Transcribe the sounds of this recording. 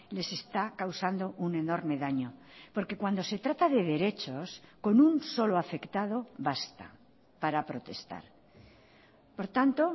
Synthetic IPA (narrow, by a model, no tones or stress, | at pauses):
le̞se̞st̪akawsand̪o̞ʔune̞no̞ɾme̞ðaɲo̞ | po̞ɾke̞kwand̪ose̞t̪ɾat̪aðe̞ðe̞ɾe̞t͡ʃo̞sko̞nunso̞loafe̞kt̪að̞o̞βast̪a̰ | paɾapɾo̞t̪e̞̰st̪a̰ɾ | po̞ɾt̪ant̪o̞